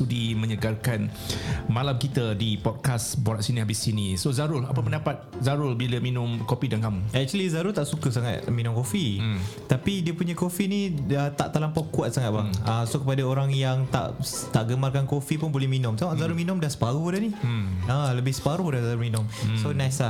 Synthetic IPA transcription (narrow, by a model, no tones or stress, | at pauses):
t̪udimə̃ɲəɡarkan | malamkit̪ədipɔd̚kasboɾaʔsiniɦabɪsinisozaɾʊlapəpəndapat̪̚zaɾʊlbiləminʊ̃mkopidankamuɛk̚t͡ʃuəlizaɾʊlt̪aʔsukəsaŋat̪̚mĩnʊ̃mkofit̪apidiəpuɲakofiniət̪a̰ʔt̪alampakuat̪̚saŋat̪̚baŋasokəpadaoɾaŋjaŋt̪a̰ʔ | t̪aʔɡəmarkankofipʊnbolɛhminʊ̃msamaʔzaɾʊlminʊ̃mdasə̥paɾuhdanialəbɪhsə̥paɾʊhdazaɾʊlminʊ̃msonãjsla